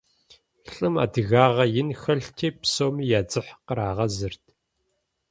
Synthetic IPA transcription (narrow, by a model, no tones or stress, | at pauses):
ɬʼɨma̰ːdɨɣaːʁɐjɪnxɐɮtʰeːpsoːmijaːd͡zɨħqəɾaːʁɐzɨrtʰ